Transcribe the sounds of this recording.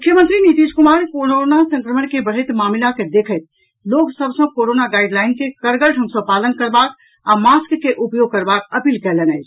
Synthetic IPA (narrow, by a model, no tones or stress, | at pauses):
mʊkʰjəmə̃nt̪ɾinit̪id͡ʒkumaɾkoɾonasə̃ŋkɾəmənkebəɽ̤ət̪maːmlaked̪ekʰət̪̚ | loɡsəbsə̃koɾonaɡaɪɖlaɪnkekəɾɡəɾʈʰə̃ŋsə̃palənkəɾbak | amaskːeʔupjoɡ̚kəɾbakəpiːlkɛlenɛjt͡ʃʰ